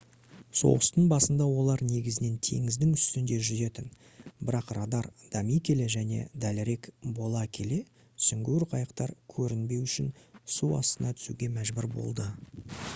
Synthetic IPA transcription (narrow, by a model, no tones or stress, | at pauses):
so̞̰ʁəst̪əɴbɑsənd̪ɑwo̞lˠɑɾne̞ɡʲɪzɪne̞nt̪ʰe̞̰ŋɪzd̪ɪŋʏst̪ɪnd̪e̞ʒʏze̞t̪ɪn | bɪɾɑqrɑd̪ɑɾd̪̥ɑmijkʲʰe̞le̞ʒæne̞̰d̪ælɾe̞kbo̞lˠɑkʲʰe̞le̞ | sʏŋɡʲyɾqʰɑjəqt̪ɑɾkʲʰɵɾɪnbe̞wʏʃɪnsuɑ̰st̪ənɑt̪ʰʏ̥sṵɡʲe̞mæʒbʏɾbo̞̰lˠd̪ə